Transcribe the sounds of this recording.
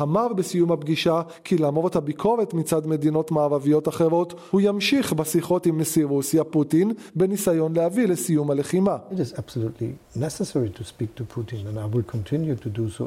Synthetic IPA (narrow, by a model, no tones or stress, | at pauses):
hamaʁbesijumhabɡiʃa | kʰilaːmoʁethabikʰo̞ʁetmit͡sadme̞dino̞tmaːʁavijo̞taχe̞ʁo̞thujamʃiχbesiχo̞timlesiʁusjaputinbe̞nisajo̞nlehavile̞sijumhale̞χimaɪɾɪzæb̥səlutʰˡlḭ | nɛsəsɛɹitʰuspik̚tʰupʰutĩnə̃naɪwilkʰɔ̃ntʰɪ̃njutʰuduso